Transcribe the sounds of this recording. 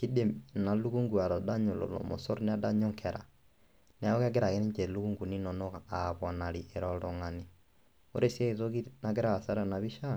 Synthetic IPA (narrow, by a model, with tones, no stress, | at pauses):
ki˦de˨na˨lu˦ɣu˦ŋɡu˨a˨ɾɔ˨da˦ɲo˨lo̰˨lɔ̰˨mo̰˨sɔ˦ɾne˦a˦da˦ɲo˦ŋkʰɛ˨ɾʔa̰˨ | n˨˦a˦o˦ɣa˦ɡe˦ɾa˨ɣe˦ni˦ɲd͡ʒɛ˨lu˦ɣu˦ŋɡu˨ni˦nɔ˨nɔ˦ɣa˨a˨βa˨na˨ɾi˨ʔe˨ɾɔlɔ˨ŋa˨ni˨ | o̰˦ɾe˦sjɛ˦e˨to˦ɣi˦na˨ɡe˦ɾa˦ɣa˨sa˦ɾa˨na˨βi˦ʃa˦